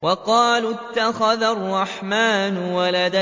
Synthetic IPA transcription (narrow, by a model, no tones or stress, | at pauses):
wɑqɑːlʊt̪ːaxaðarˤːɑħmaːnwalad̪a